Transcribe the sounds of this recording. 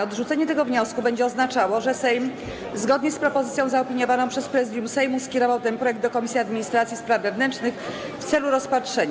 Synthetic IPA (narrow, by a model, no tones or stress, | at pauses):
ɔd̪ʐut̪sɛɲɛt̪ɛɡɔvɲɔskubɛɲd͡ʑɛɔznat͡ʂawɔʐɛsɛjm | zɡɔd̪ɲɛspɾɔpɔzɘt̪sʲjɔ̃w̃zaɔpʲiɲɔvanɔ̃pʂɛspɾɛzɘd̪jumsɛjmuskʲɛɾɔvawt̪ɛmpɾɔjɛɡ̚d̪d̪ɔkɔmʲisʲjiad̪mʲiɲist̪ɾat̪sʲjispɾavːɛvnɛnt͡ʂnɘx | ft̪sɛluɾɔspatʂɛɲ